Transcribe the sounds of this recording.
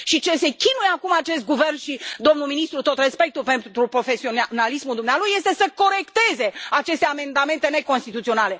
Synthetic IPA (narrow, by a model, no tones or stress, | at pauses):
ʃit͡ʃe̞se̞kʲinujeakumat͡ʃe̞st̪̚ɡuve̞rnʃid̪o̞mnulminist̪ɾut̪o̞t̪respe̞k̚t̪upe̞nt̪ɾupɾo̞fe̞sionalismuld̪umnealuje̞st̪e̞səko̞ɾe̞kt̪e̞ze̞at͡ʃe̞st̪e̞ame̞nd̪ame̞nt̪e̞ne̞ko̞nst̪it̪ut̪sio̞nale̞